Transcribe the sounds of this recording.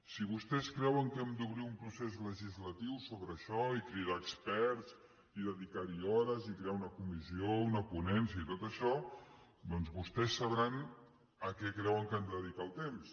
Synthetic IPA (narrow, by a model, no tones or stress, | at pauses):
siβust̪ɛskɾɛwəŋkɛmd̪uβɾiumpɾusezləʒizlət̪iwsoβɾəʃɔikɾiɾaːkspɛɾz | iðəðikaɾiɔɾəzikɾeaunəkumiziounəpunɛns̬iəit̪ot̪əʃɔ | d̪ɔnzβust̪ɛsːəβɾan | əkɛkɾɛwəŋkənd̪əðikaəlˠt̪ems